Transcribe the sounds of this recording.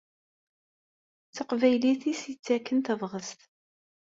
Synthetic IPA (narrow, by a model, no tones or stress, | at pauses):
t͡sːəqvæjliθisjət͡sːækːənt̪əvʁəst̪